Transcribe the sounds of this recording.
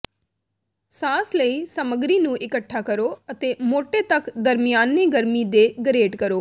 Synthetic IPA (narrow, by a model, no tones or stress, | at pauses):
saːsləiːsəməɡɾiːnũːʔɪkəʈʰːaːkəɾoːət̪eːmoːʈeːt̪əkd̪əɾmɪjaːnːeːɡəɾmiːd̪eːɡəɾeːɖkəɾoː